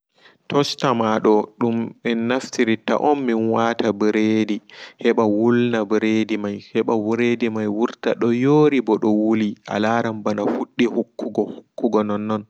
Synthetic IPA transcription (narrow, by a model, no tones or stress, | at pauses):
tɔstamaɗɔɗumɓɛnnːaftiɾita̰ʔɔnːinwaːtabɾeːdihɛɓawulnabɾedimajhɛɓawɾedimajwuɾtaɗɔjoːɾibɔɗɔwuliʔa̰laːɾambanafuɗːihukːuɡɔhukːuɡɔnɔnːɔn